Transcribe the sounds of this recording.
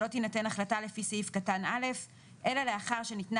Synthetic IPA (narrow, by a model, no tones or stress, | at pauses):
o̞t̪inate̞naχlatalefisifkatanale̞f | ʔe̞laleaχaʁʃenitna